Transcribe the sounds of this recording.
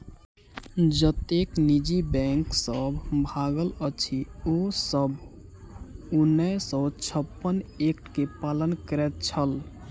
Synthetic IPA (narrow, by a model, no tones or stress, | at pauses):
d͡ʒət̪eknid͡ʒibɛ̃ŋksəbʱbʱaɡələt͡ʃʰiosəbʱ | unːəsɔt͡ʃʰəpːənek̚ʈkepalənkəɾɛt̪̚t͡ʃʰəl